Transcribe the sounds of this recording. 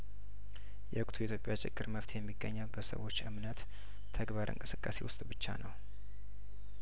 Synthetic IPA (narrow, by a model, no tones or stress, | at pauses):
jɛʔɨkʼt̪ʰuit̪ʰjo̞pʼjat͡ʃʼɪ̰ɡːɨɾməft̪ʰjɛmːiɡːəɲːəwbəsə̰wo̞t͡ʃːʔɨmnət̪ʰː | əɡbaɾʔɨ̰ŋkʼɨsɨkʼːase̞̰wʊst̪ʼbɨt͡ʃːa̰nəw